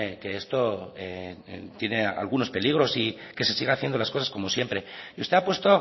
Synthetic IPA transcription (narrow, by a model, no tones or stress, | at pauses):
ke̞est̪o̞et̪je̞ne̞a̰lɣuno̞spe̞liɣ̞ɾo̞sike̞se̞siɣaaθje̞nd̪o̞lasko̞sasko̞mo̞sje̞mpɾe̞ust̪e̞apwe̞st̪o̞